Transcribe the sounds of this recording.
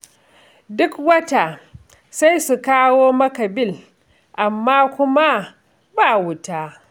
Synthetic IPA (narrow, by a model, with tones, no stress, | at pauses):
dʊ˦kwɐ˦taː˨ | sa˦jsu˨kaː˦woː˦mɐ˦ka˨bɪ˦˨l | ʔa˨mːaː˦kʷʊ˦ma˦ | baː˦˨wʊ˦taː˦